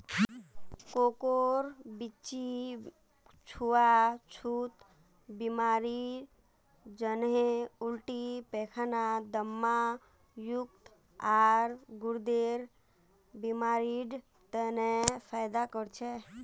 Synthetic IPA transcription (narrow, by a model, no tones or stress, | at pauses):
kokoɾbit͡ʃi | t͡ʃʰuat͡ʃʰut̪ | bimaɾi | d͡ʒənɦẽulʈipekʰnad̪əmːa | juk̚t̪ | aɾɡuɾd̪eɾ | bimaɾiɖ | t̪ənepʰajd̪akəɾt͡ʃʰɛ